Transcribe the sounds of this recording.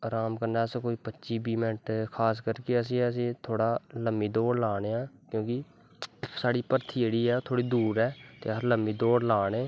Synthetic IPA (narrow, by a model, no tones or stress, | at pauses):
ɾaːmkəɾnaːskoːiːpətːʃiːbiːmɛ̃ɳʈkʰaːs̬kəɾkeəs̬ĩːəs̬ĩːt̪ʰoːɽaːləmːiːd̪oːɽlaːɽ̃eːãːkjõːkɪ | saːɽiːpəɾt̪ʰiːd͡ʒeːɽiːɛːt̪ʰoːɽiːd̪uːɾɛːt̪ḛːsləmːiːd̪oːɽlaːɽ̃eː